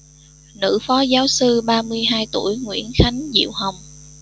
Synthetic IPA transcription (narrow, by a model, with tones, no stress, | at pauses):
nɨ̰˧˥fɔ˨˦zaː˨˦wsɨ˧ɓaː˧mɨ˧əjɦaː˧jt̪u˧˩əjŋwḭ˧˥ənxa˨˦jŋ̟zḭ˧˨əwɦə˨˩wŋ͡m